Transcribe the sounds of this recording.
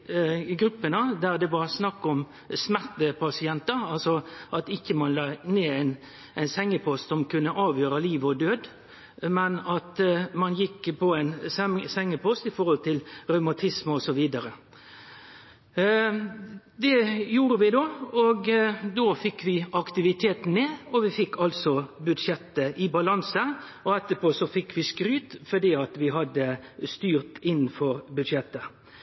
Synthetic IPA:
ɡɾʉpːənəd̪æʁd̪ɛʋɑɾsnɑkːɔm | smæʁt̪əpʰɑsɪɛnt̪ɑɑlsɔʔɑt̪ɪçːəmɑnlɑːneːæɪn | æɪnsɛŋːəpʰɔst̪sɔmkʰʉnːəʔɑːʋjøːɾəliːʋɔd̪øːd̪ | mɛnɑt̪mɑnjɪkːpʰɔæɪnssɛŋːəpʰɔst̪ɪfɔʁhɔlt̪ʰɪlʁœʉmɑt̪ʰɪsməɔsɔʋiːd̪ɑɾə | d̪ɛjuːɾəʋɪd̪oːɔɡd̪oːfɪkːʋɪɑkt̪ɪʋɪt̪ʰeːt̪n̩ːeːɔʋɪfɪkːʰɑlt̪sɔbʉd̪ʂjɛt̪ːəʔɪbɑlɑnsə | ɔɛt̪ːəpoːsɔfɪkːʋɪskɾyːt̪fɔd̪iːɑt̪ʋɪɦɑd̪ːəst̪yːʁt̪ɪnːn̩fɔɾbʉd̪ʂjɛt̪ːə

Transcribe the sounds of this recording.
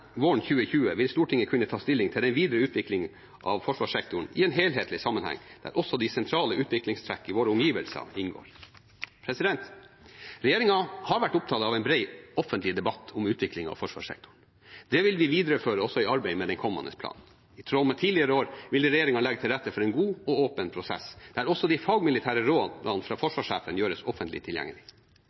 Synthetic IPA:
ʋoːɳçʉːəçʉːəʋɪlst̪uːʈʰɪŋːəkʰʉnːət̪ʰɑːst̪ɪlːɪŋt̪ʰɪld̪ɛnʋiːd̪ɾəʉːt̪ʰʋɪklɪŋn | ʔɑ̰ʋfɔʂʋɑːʂɛk̚t̪ʊɳ̩ɪ̰ɛːnɦeːlɦeːt̪lɪsɑmːənhæ̰ŋːd̪̥æ̰ɾʔɔsɔd̪ɪsɛnt̪ʰɾɑːləʉːt̪ʋɪklɪŋst̪ʰɾækːɪʋoːɾəʊmjiːʋəlsɑ̰ɪnɡo̰ːɾ | pʰɾɛsɪd̪ɛnt̪ | ɾɛjeːɾɪŋɑhɑɾʋæʈːʊp̚t̪ʰɑːt̪ɑʋɛɪnbɾeɪɔfənt̪lɪd̪ɛbɑt̪ːʊmʉːt̪ʰʋɪklɪŋɑ̰ʋfɔʂʋɑ̰ːʂɛ̰k̚t̪ʰʊɳ | d̪̥ɛʋɪlʋɪʋiːd̪ɾəføːɾəɔsɔɪɑɾbɛɪmɛd̪ɛnkʰɔmːɑ̰nd̪ə̰spʰlɑ̰ːnn̩ | ɪt̪ʰɾɔmːət̪ʰiːlɪəɾəoːɾʋɪld̪ɛɾɛjeːɾɪŋɑlɛɡət̪ʰɪlɾɛt̪ːəfɔɾɛɪnɡuːɔoːpənpʰɾʊsɛ̰sd̪̥æɾɔsːɔd̪ɛɪfɑɡmɪlɪt̪ʰæːɾəɾoːd̪d̪ɑnfɾɑːfɔʂʋɑːʂeːfənjøːɾəsɔfənt̪lɪ̰t̪ʰɪljæ̰ŋːəlɪ

